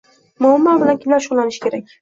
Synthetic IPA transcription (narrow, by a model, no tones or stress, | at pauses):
mʊhɪmːalˠbɪlankʲʰɪmlaɾʃɒnlanɪʃkʲʰe̞ɾak̚ʲ